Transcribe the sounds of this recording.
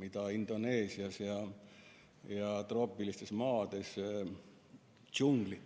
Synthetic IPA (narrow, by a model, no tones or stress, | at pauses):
mit̪ɑind̪oneːsiɑsjɑ | jɑt̪ropːilist̪esmɑːt̪es | t͡ʃuŋɡ̥lit̪